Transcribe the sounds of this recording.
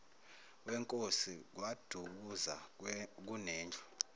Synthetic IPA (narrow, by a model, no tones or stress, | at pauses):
wɛŋkʼosik̬wad̥ʱuk̬uza̰k̬unɛːnd͡ɮʱɔ̥